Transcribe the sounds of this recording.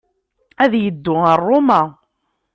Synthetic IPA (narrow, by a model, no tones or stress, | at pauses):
æðjəd̪ːʊərːʊmæ